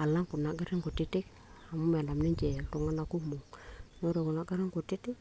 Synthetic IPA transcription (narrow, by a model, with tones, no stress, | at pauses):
a˨la˦ŋkʊ˨na˨ɡa˦ɾɪ˦ŋko˨tɪ˦tɪ˦k | a˨mʊ˦mɛ˨nda˨mnɪ˦ɲt͡ʃɛ˨ltu˨ŋa˦na˨ku˦mʊ˨ŋno˦ɾe˨kʊ˨na˦ɡa˦ɾɪ˦ŋkʊ˨tɪ˦tɪ˦k